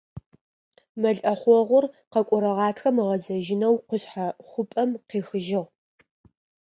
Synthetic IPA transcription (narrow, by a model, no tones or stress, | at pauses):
mɐɮʔɐχʷɔʁʷʊrqɐkʷʼʊɾɐʁɑːtʰxɐmɨʁɐzɐʒɪnɐwqʷʊɕħaχʷʊpʼɐmqeːxɨʒɪʁ